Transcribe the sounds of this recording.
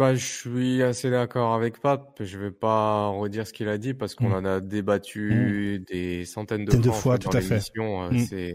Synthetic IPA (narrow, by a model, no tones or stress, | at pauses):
baʒəʃɥiased̪akɔʁavɛkpapʒəvɛpaʁəd̪iʁsə̥kʲilad̪ipaʁsə̥kɔ̃nãnad̪ebat̪ʰyd̪esɑ̃t̪ɛnd̪əɛd̪əffwad̪uɑ̃t̪aefmiɛsjɔ̃øsɛ